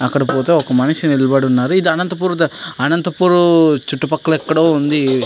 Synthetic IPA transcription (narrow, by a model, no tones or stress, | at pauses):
ɐkːɐɽɐpoːt̪eːɔkɐmɐnɐsiniɭːɐbɐɽiunːaːɾuid̪iɐnɐnt̪ɐp̬uːɾd̪ɐɐnɐnt̪ɐpuːɾut͡ʃuʈːupɐkːɐɭɐɛkːɐɽoːund̪i